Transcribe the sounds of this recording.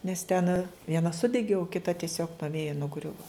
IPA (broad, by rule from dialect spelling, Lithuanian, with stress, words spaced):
nʲɛs tʲɛn ʋʲiɛˈnɐ ˈsʊdʲɛɡʲɪ oː kʲɪˈtɐ tʲɪˈsʲoːk nuɔ ˈʋʲeːjɛ nʊˈɡrʲʊʋɐ